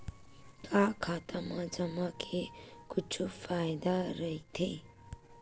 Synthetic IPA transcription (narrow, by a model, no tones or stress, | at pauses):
kakʰat̪amad͡zʌmakʰekut͡ʃʰufʰajd̪aɾʌjt̪ʰe